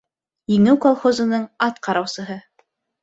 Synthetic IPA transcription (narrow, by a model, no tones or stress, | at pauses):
jɘ̆ŋɘwkolˠχozɤ̆nɤɴɑt̪qɑɾɑwsɤ̆ɦɤ